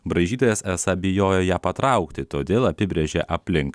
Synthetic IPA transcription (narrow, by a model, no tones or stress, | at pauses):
bɾɐɪʒʲiːt̪oːjɛsɛsɐbʲɪjoːjɛjæːpɐt̪ɾɐʊkt̪ʲɪt̪oːd̪ʲeːlˠɐpʲɪbʲɾʲeʒʲeːʔɐpʲlʲɪŋk